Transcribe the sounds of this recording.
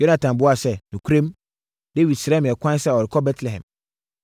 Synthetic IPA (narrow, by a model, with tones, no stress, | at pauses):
jo˦nã˨tʰã˨mbʊ˦a˨sɛ˦nũ˨kʰu˦ɾẽ˦m | d̥e˦wi˨dsɪ˨ɾɛ̃˦m̃˨ɛ˨kʷʰã˦n˦sɛ˦˨ɔ˨ɾɪ˨kʰɔ˦bɛ˦tʰlɛ˨ɦɛ̰̃˨m